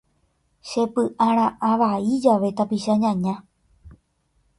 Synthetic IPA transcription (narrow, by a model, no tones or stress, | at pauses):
ʃepɨʔãɾ̃ãʔaʋaid͡ʒaʋe̞t̪apiʃaɲãɲã